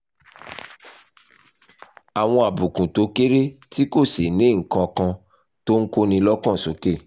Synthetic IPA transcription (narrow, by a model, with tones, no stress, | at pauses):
a˨w̃ɔ̃˧a˨bũ˨kũ˨to˨˦ke˦ɾe˦ti˦ko˦˨se˨nĩ˨˦ŋ̩˨kã˧kã˧ | to˦ŋ̩˦ko˦nĩ˧lɔ˦kã˦˨so˨˦ke˦˨